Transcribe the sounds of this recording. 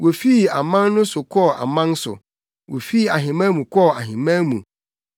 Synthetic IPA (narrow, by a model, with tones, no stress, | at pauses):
wʔo˨fiː˦˨a˨mã˦nnʊ̃˦sʊ˨kʰɔ˦˨a̰˨mã˦n˦sʊ̰˨ | wʔo˨fiː˦˨a˨ɦɪ̃˨mã˦mũ˨kʰɔ˦˨a˨ɦɪ̃˨mã˦mṵ̃˨